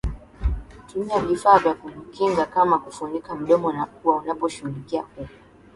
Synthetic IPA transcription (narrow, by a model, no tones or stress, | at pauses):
kutumiavifaːvjakum̩kiŋɡakamakufuɲikam̩ɗɔmɔnakuwaunapɔʃuhulikiakukɔ